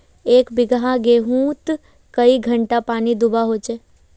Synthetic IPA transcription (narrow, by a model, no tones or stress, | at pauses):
eːkbɪɡãɡeːɦũːt̪ | kəiɡʱə̃ɳʈapaːnid̪ʊbaɦoːt͡ʃeː